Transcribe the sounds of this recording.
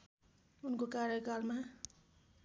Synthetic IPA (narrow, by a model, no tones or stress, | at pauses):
ʊnkokaːɾəkaːlmã